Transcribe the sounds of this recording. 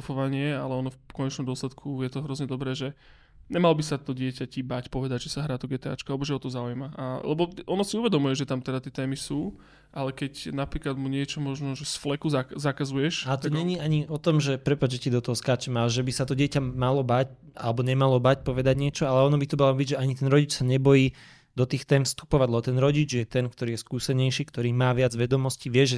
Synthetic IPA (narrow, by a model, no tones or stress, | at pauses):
fɔʋaɲɪɛalɛɔnɔfkɔɲɛt͡ʃnɔmd̪ɔslɛt̪kʰujɛt̪ɔɦɾɔzɲɛd̪ɔbɾɛːʒɛ | ɲɛmalɔbisat̪ɔɟɪɛcacibacpɔʋɛd̪aɟʒɛsaɦɾaːt̪ɔɡɛːt̪ɛa̰t͡ʃkalɛbɔʒɛɦɔt̪ɔzaujmaʔalɛ̰bɔɔnɔsiuʋɛd̪ɔmujɛʒɛt̪amt̪ɛd̪at̪ɪɛt̪ɛːmisuː | ʔalɛkɛcnapɾiːklad̪muɲɪɛt͡ʃɔmɔʒnɔʒɛsflɛkuzazakazujɛʃat̪ɔɲɛɲiaɲiɔt̪ɔmʒɛpɾɛpad͡ʒd͡ʒɛcid̪ɔt̪ɔɦɔskaːt͡ʃɛmaːʒʒɛbisat̪ɔɟɪɛcamalɔbac | a̰lɛbɔɲɛmalɔbacpɔʋɛd̪aɟɲɪɛt͡ʃɔalɛɔnɔbit̪ɔmalɔbiɟʒɛaɲit̪ɛnɾɔɟit͡ʃsaɲɛbɔjiː | d̪ɔt̪iːxt̪ɛːmfst̪u̥pɔʋaɟlɛbɔt̪ɛnɾɔɟid͡ʒjɛt̪ɛnkt̪ɔɾiːjɛskuːsɛɲɛjʃiːkt̪ɔɾiːmaːʋɪad͡zʋɛd̪ɔmɔsciʋɪɛʒɛ